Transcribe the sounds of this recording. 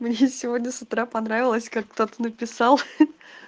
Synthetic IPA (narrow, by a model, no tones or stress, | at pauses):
mnʲe̞sʲɪvodʲnʲəsʊt̪ɾapɐnɾavʲɪlˠəsʲkakːt̪o̞t̪ənəpʲɪsɑlˠ